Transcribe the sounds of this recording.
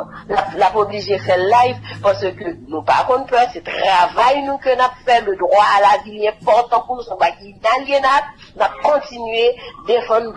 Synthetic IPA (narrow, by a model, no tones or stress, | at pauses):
lapnapobliʒefɛʁlajvpaʁsəkønũpa̰kɔ̃npœsɛt̪ʁavajnukənapfɛləd̪ʁwaːlavilɛ̃pɔʁt̪ɑ̃kusɔ̃kakinaljenap̚ | nap̚kɔ̃t̪inɥed̪efɑ̃d̪d